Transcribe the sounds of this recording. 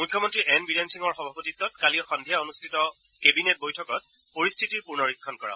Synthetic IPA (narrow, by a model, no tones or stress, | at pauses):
mujkʰːjɔmɔntɹiʔɛnbidensiŋɔɹxɔbʱapotitːɔtkaliɔxɔndʱijaonustʰitɔ | kebinet̚bojtʰɔkɔt̚ | poɹistʰitiɹpuɹnɔɹikʰːɔnkɔɹã̰